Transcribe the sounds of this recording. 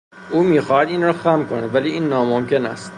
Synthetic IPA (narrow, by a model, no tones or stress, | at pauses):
ʔuːmiːxɒːhæd̪iːnrɒːxæmkʰonæd̪væliːiːnːɒːmomce̞næ̰st̪